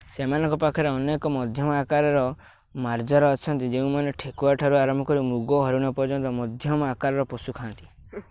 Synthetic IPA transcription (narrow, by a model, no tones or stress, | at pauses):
semanɔ̃ŋkɔpakʰɔɾeɔnekɔmɔd̪ʱjɔmɔakaɾɔɾɔ | maɾd͡ʒɔɾɔːt͡ʃʰɔnt̪id͡ʒeũmaneʈʰekuaʈʰaɾuaɾɔmbʱɔkɔɾimuɡɔɦɔɾuɽ̃ɔpɔɾd͡ʒɔnt̪ɔmɔd̪ʱjɔmɔakaɾɔɾɔposukʰant̪i̥